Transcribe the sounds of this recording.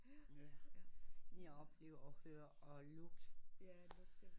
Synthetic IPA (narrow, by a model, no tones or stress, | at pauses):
ejaɒ̽b̥le̝̰ːʊɐɒhøːɐʔɒlɔɡ̥d̥